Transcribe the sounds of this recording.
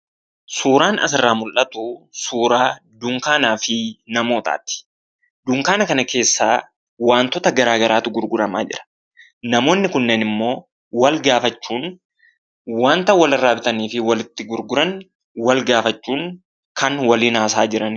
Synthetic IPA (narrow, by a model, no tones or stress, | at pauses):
suːɾaːnɐ̰sɪrːaːmʊlʔɐt̪ʊsuːɾaːd̪ʊŋkaːnaːfɪnɐmo̞ːt̪a̰ːt̪ːɪ̥ | d̪ʊŋkaːnɐkɐnɐke̞ːsːaː | waːnt̪ɔt̪ɐɡɐɾaːɡɐɾaːt̪ʊɡʊɾɡʊɾɐma̰ːd͡ʒɪ̰ɾɐ̥ | nɐmo̞ːnːɪkʊnːenɪmːo̞ː | wɐlɡaːfɐt͡ʃːuːn | waːnt̪ɐwɐlɐraːbɪt̪ɐniːfɪwɐlɪt̪ːɪɡʊɾɡʊɾɐn | wɐlɡaːfɐt͡ʃːuːŋ | kɐnwɐliːnaːs̬aːd͡ʒɪɾɐn